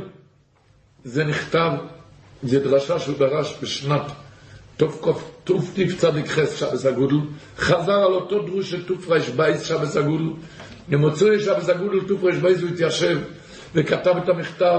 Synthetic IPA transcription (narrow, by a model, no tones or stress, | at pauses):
zeniχt̪av | zed̪ʁaʃaʃeubaʁaʃbeʃnatː | ofkoftuft̪ift͡sad̪ikχɛsʃabeshaɡudl̩ | χazaʁalot̪od̪ʁuʃet̪ufʁajʃbajsʃabeshaɡud̪l̩ | nemot͡sieʃabesaɡudl̩t̪ufʁaʃbajsuit̪jaʃev | vekat̪avet̪amiχt̪a